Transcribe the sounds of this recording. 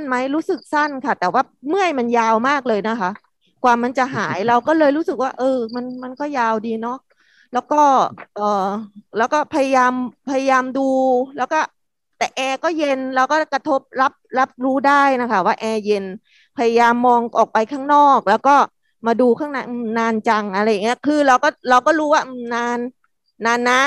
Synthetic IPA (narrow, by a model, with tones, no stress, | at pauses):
nma˦˥jɾuː˦˥sɯ˨˩k̚sa˥˩nkʰa˥˩t̪ɛː˨˩waː˥˩mɯ˥˩əjma˧njaː˧wmaː˥˩k̚lɤː˧jna˦˥kʰa˦˥ʔ | kwaː˨˩ma˧nt͡ɕa˨˩ɦaː˩˦jɾa˧wkɔː˥˩lɤː˧jɾuː˦˥sɯ˨˩k̚waː˥˩ʔɤː˧ma˧nma˧nkɔː˥˩jaː˧wdiː˧nɔ˦˥ʔ | lɛː˦˥wkɔː˥˩ʔɤː˨˩lɛː˦˥wkɔː˥˩pʰa˧ja˧jaː˧mpʰa˧ja˧jaː˧mduː˧lɛː˦˥wkɔː˥˩ | t̪ɛː˨˩ʔɛː˧kɔː˥˩je˧nɾa˧wkɔː˥˩ka˧t̪ʰo˦˥p̚ɾa˦˥p̚ɾa˦˥p̚ɾuː˦˥daː˥˩jna˦˥kʰa˦˥˩waː˥˩ʔɛː˧je˧n | pʰa˧ja˧jaː˧mːɔː˧ŋʔɔː˨˩k̚pa˧jkʰaː˥˩ŋnɔː˥˩k̚lɛː˦˥wkɔː˥˩ | maː˧duː˧kʰaː˥˩ŋna˦˥˩ʔɯ˧˩mnaː˧nt͡ɕa˧ŋʔa˧ɾa˧jːa˨˩ŋi˦˥ɐ˩kʰɯː˧ɾa˧wkɔː˥˩ɾa˧wkɔː˥˩ɾuː˦˥waː˥˩ʔɯ˧˩mnaː˧nː | aː˧nːa˦˥